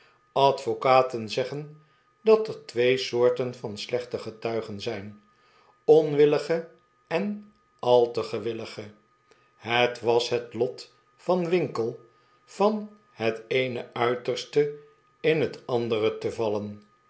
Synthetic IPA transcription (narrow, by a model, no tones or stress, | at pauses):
ɑtfokaːtənzɛχən | dɑtəɹtʋejsʊːɹtənvɑnslɛχtəχətœɥχənzɛjn | ɔnʋɪləχə | ɛn | ɑlˠtəχəʋɪləχə | ɦətʋɑsɦətlɔt | fɑnʋɪŋkəlˠ | v̥ɑn | ɦətejnəʔœɥtəɹstə | ɪnɦətɑndərətəvɑlən